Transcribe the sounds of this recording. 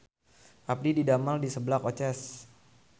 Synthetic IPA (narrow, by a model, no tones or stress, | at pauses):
ʔap̚dididamaldisəbəlakot͡ʃɛs